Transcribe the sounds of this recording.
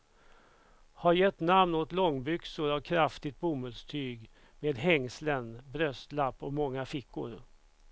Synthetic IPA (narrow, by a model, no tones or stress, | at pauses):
haɾjɛt̪ːnamnot̪lɔŋːbʏksʊɾavkʰɾaft̪ɪt̪̚bʊmɵd̪st̪ʰyːɡ | meːd̪ɦɛŋslənbɾœst̪lapːɔkmɔŋːafɪkːʊ̰ɾ